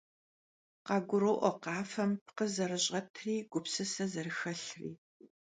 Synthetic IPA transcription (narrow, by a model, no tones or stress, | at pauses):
qɑːɡʷʊɾowʔɔqɑːfɐmpʰqəzɐɾɨɕʼɐtʰriːɡ̥ʷʊpsɨsɐzɐrɨxɐɬrḭː